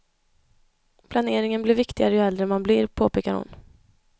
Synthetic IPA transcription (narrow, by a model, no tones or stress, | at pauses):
pʰlaneːɾɪŋənblɪɾvɪkt̪ɪɡaɾəjɵɛld̪ɾəmanblɪɾpʰoːpʰeːkaɾhʊ̰n